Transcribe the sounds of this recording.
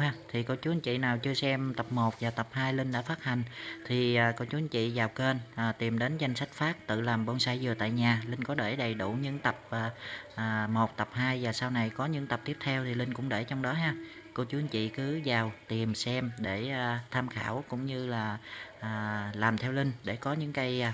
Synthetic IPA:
aː˧t̪ʰi˨˩ko˧wt͡ɕu˨˦nt͡ɕḭ˧˨naː˨˩wt͡ɕɨ˧əsɛ˧mt̪ə˨˩p̚mo˨˩t̚vaː˨˩t̪ə˨˩p̚haː˧jlï˧ŋ̟ɗa̰ː˧˥faː˦˥t̚ha˨˩jŋ̟t̪ʰiː˨˩˨ko˧wt͡ɕu˨˦ənt͡ɕḭ˧˨zaː˨˩wke˧nʔːt̪i˨˩mɗe˨˦nza˧jŋ̟sa˦˥jk̟̚faː˦˥k̚t̪ɨ̰˧˨laː˨˩mɓo˧nsaː˧jzɨ˨˩ət̪a̰ː˧˨jɲaː˨˩lï˧ŋ̟kɔ˨˦ɗe˧˩ɗə˨˩jɗu˧˩ɲɨ̰˧˥ŋt̪ə˨˩p̚ʔːʔːmo˨˩t̚t̪ə˨˩p̚haː˧jvaː˨˩saː˧wna˨˩jkɔ˨˦ɲɨ̰˧˥ŋt̪ə˨˩p̚t̪i˦˥p̚t̪ʰɛ˧wt̪ʰi˨˩li˧ŋ̟kʊ̰˧˥ŋ͡mɗe˧˩t͡ɕɔ˧wŋ͡mɗɔ˨˦ɦaː˧ | ko˧wt͡ɕu˨˦nt͡ɕḭ˧˨kɨ˨˦zaː˨˩wt̪i˨˩msɛ˧mɗe˧˩˨t̪ʰaː˧mxa̰ː˧˩wkʊ̰˧˥ŋ͡mɲɨ˧laː˨˩ʔːlaː˨˩mt̪ʰɛ˧wlï˧ŋ̟ɗe˧˩kɔ˨˦ɲɨ̰˧˥ŋka˨˧j

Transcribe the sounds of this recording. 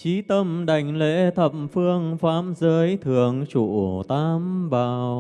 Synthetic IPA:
t͡ɕi˨˦t̪ə˧mɗa˨˩jŋ̟lḛ˧˥t̪ʰə˨˩p̚mfɨ˧əŋfaː˨˦mzəː˨˦jt̪ʰɨ˨˩əŋt͡ɕu˧˨˩t̪aː˧mɓaː˨˩w

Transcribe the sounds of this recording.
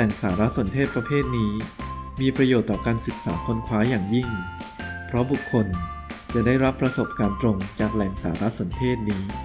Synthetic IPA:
ɛ˨˩ŋsaː˩˦ɾa˦˥so˩˦nt̪ʰeː˥˩t̪̚pɾa˧pʰeː˥˩t̪̚niː˦˥miː˧pɾa˧joː˨˩t̪ːɔː˨˩kaː˧nsɯ˨˩k̚saː˩˦kʰo˧nkʰwaː˦˥jaː˨˩ŋji˥˩ŋ | pʰɾɔ˦˥bu˨˩kʰːo˧n | t͡ɕa˨˩daː˥˩jɾa˦˥pːɾa˧so˨˩p̚kaː˧nt̪ɾo˧ŋt͡ɕaː˨˩k̚lɛ˨˩ŋsa̰ː˩˦ɾa˦˥so˩˦nt̪ʰeː˥˩t̪̚niː˦˥

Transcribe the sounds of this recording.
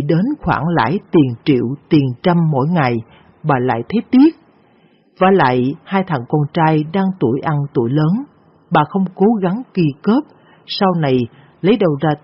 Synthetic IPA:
ɗe˨˦nxwa̰ː˧˩ŋla̰ː˧˥jt̪i˨˩əŋt͡ɕḭ˧˨əwt̪i˨˩ənt͡ɕa˧mːo̰˧˥jŋa˨˩j | ɓaː˨˩la̰ː˧˨jt̪ʰe˨˦t̪i˦˥ət̚ | vaː˨˩la̰ː˧˨jhaː˧jt̪ʰa̰˧˨˩ŋkɔ˧nt͡ɕaː˧jɗaː˧ŋt̪u˧˩əjʔa˧nt̪u˧˩əjləː˨˦n | ɓaː˨˩xə˧wŋ͡mko˨˦ɣa˨˦ŋki˧kəː˦˥p̚ | sa˧wna˨˩j | lə˨˦jɗə˨˩wzaː˧

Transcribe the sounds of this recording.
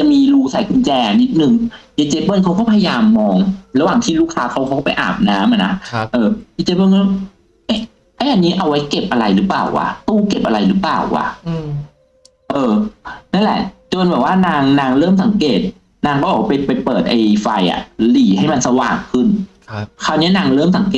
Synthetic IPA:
t͡ɕa˨˩miː˧luː˧sa˨˩˦jkʰu˧nt͡ɕɛː˧ʔa˧ni˦˥t̪̚nɯ˨˩ŋʔeː˧˩t͡ɕe˧pɤː˧˩˨nkʰa˦wkɔː˥˩pʰa˧ja˧jaː˧mːɔː˧ŋɾa˧waː˨˩ŋt̪ʰiː˥˩luː˥˩kʰaː˦˥kʰa˦˥wkʰa˦˥wkɔ˥˩pa˨jʔa̰ː˨˩p̚naː˨˦˥mʔa˨˩na˦˥ʔɤː˧ʔiː˧t͡ɕeː˧˥bɤː˧˥˨nɔ˥˩ | ʔe˦˥˩ | ʔa˥˩ʔa˧nːiː˦˥ʔa˧wa˦˥jke˨˩p̚ʔa˧ɾa˧jɾɯː˦˥pla̰ː˨˩wʔa̰˧˩t̪uː˥˩ke˨˩p̚ʔa˧ɾa˧jlɯː˦˥plaː˨˩wʔa̰˧˩ | ʔɤː˧na˥˩˨lɛ̰˨˩t͡ɕo˧nbɛː˨˩waː˥˩naː˧ŋnaː˧ŋɾɤː˥˩msa˨˩˦ŋkeː˨˩t̪̚ | naː˧ŋkɔː˥˩bɔː˨˩wa˥pa˧jpa˧jpɤː˨˩t̪̚ʔa˧jfa˧jʔa̰˨˩liː˨˩ha˥˩jma˧nsa˧wa̰ː˨˩ŋkʰɯ˥˩n | kʰaː˧˩wni˦˥ɐnaː˧ŋɾɤː˥˩msa˨˩˦ŋkeː˨˩

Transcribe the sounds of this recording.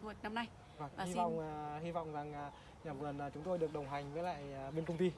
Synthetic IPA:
u˨˩t̚na˧mna˧j | vaː˨˩ŋː˨hi˧vɔ̰˧˨wŋ͡mːhi˧vɔ̰˧˨wŋ͡mza˨˩ŋʔaː˨˩ | ɲaː˨˩mɣə˨˩naː˨˩t͡ɕʊ˨˦ŋ͡mt̪o˧jɗɨ˨˩ək̚ɗə˨˩wŋ͡mɦa˨˩jŋ̟vəː˨˦jla̰ː˧˨jaː˨˩ɓe˧nkə˧wŋ͡mt̪i˧

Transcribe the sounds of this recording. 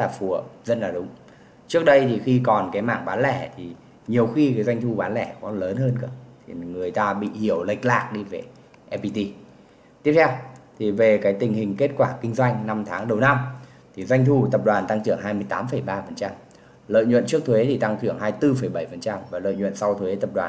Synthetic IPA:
laː˨˩fu˨˩əzə˧nlaː˨˩ɗʊ˨˦ŋ͡m | t͡ɕɨ˦˥k̚ɗə˧jt̪ʰi˨˩xi˧kɔ˨˩nkaː˨˦jmaː˧˩ŋɓaː˨˦nlɛ˧˩t̪ʰi˨˩ | ɲi˨˩əwxi˧kaː˨˦jzwa˧jŋ̟t̪ʰu˧ɓaː˨˦nlɛ˧˩kɔ˨˦ləː˨˦nɦəː˧nkɨ̰ː˧˩t̪ʰi˨˩ŋɨ˨˩əjt̪aː˧ɓḭ˧˨hi˧˩əwlə˨˩jk̟̚la̰ː˨˩k̚ɗi˧ve˨˩ | ʔɛ˧pi˧t̪i˧ | t̪i˦˥əp̚t̪ʰwt̪ʰi˨˩ve˨˩kaː˨˦jt̪ï˨˩ŋ̟hï˨˩ŋ̟ke˦˥t̚kwaː˧˩kï˧ŋ̟zwa˧jŋ̟na˧mt̪ʰaː˨˦ŋɗə˨˩wna˧m | t̪ʰi˨˩zwa˧jŋ̟t̪ʰu˧t̪ə˨˩p̚ɗwaː˨˩nt̪a˧ŋt͡ɕɨ˧˩əŋɦaː˧jmɨ˧əjt̪aː˨˦mfə˧˩jɓaː˧fə˨˩nt͡ɕa˧m | lə̰ː˧˨jɲwə̰˧˨nt͡ɕɨ˦˥ək̚t̪ʰwe˨˦t̪ʰi˨˩t̪a˧ŋt͡ɕ̪ʰɨ˧˩əŋɦaː˧jt̪ɨ˧fə˧˩jɓə˧˩jfə˨˩nt͡ɕa˧mvaː˨˩lə̰ː˧˨jɲw̰nsa˧wt̪ʰwe˨˦t̪ə˨˩p̚ɗwa̰ː˨˩

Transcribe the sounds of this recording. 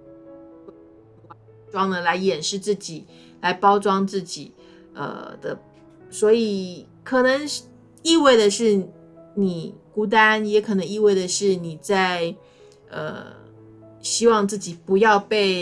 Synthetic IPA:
ʈ͡ʂwɑ˥ŋd̪ə˨la˧˥ɪjɛ˨˩nʂɻ̩˥˧t͡sɹ̩˥˩t͡ɕi˨˩˦ | la˧˥ɪpɑ˥ʊʈ͡ʂwɑ˥ŋt͡sɹ̩˥˩t͡ɕi˨˩˦ | ə̰˧d̪̥ə̰˧˩ | swɔ˧˥i˨˩ | kʰɤ˨˩nɤ˧˥ŋ | i˥˧we˥˩ɪd̪ə˩ʂɻ̩˥˩ | ni˨˩ku˧˥t̪̬a˥njɛ˧˥kʰɤ˨˩nɤ˧˥ŋi˥˧we˥˩ɪd̪ə˩ʂɻ̩˥˩ni˨˩t͡sa˥˧ɪ | ə̰˧ | ɕi˥wɑ˥˧ŋt͡sɹ̩˥˩t͡ɕi˨˩pu˧˥jɑ˥˧ʊpe˥˩ɪ

